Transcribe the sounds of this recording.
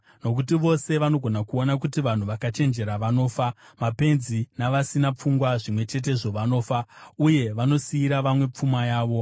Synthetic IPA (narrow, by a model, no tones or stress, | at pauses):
no̞k̬utiʋo̞se̞ʋano̞ɡʱo̞nakuo̞nakutiʋan̤uʋakat͡ʃe̞nd͡ʒe̞ɾaʋano̞ːfa | mape̞nzinaʋasinap͡fuŋɡwaʐimwe̞t͡ʃe̞t̬e̞ʐo̞ʋano̞ːfauje̞ʋano̞siːɾaʋamwe̞p͡fumajaːʋo̞